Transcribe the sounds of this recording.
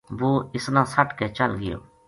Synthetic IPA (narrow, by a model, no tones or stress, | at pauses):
ʋoːɪsnãːsɐʈkɛt͡ʃɐlɡɪjo̰ː